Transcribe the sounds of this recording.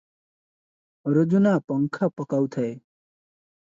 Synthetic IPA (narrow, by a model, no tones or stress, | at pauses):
ɾod͡ʒunapʌŋkʰapʌkawt̪ʰʌe